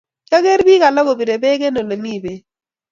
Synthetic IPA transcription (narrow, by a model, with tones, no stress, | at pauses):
ka˦ɡe˦ɾbi˦ka˨la˦ɡo˨bi˨ɾe˨be˦ɡe˦no˨lo˨ni˦˨be˨